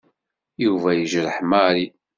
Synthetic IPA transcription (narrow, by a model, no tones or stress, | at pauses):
juvæjəʒɾəħmaɾi